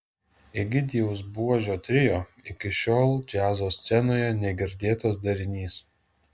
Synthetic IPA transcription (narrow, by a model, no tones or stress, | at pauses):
ɪɡʲɪd̪ʲiɛʊsbuɔʒʲoːt̪ʲɾʲɪjoːɪkʲɪʃʲoːlˠd͡ʒʲæːzoːsʲt̪sʲɛnoːjɛnʲɛɡʲɪɾʲd̪ʲeːt̪oːs̬d̪ɐɾʲɪnʲiːs